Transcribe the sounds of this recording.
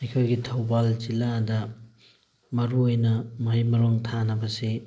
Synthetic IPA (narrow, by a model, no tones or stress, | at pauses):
ikʰojɡitʰɐwbald͡ʒiladɐ | mɐɾuojnɐmɐɦɐjmɐɾoŋtʰanɐbɐsi